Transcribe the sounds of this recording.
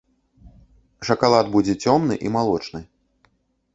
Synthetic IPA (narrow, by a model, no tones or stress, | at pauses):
ʂɐkalˠad̪bud͡zʲɛt͡sʲɔmnɨʔimalˠɔt͡ʂnɨj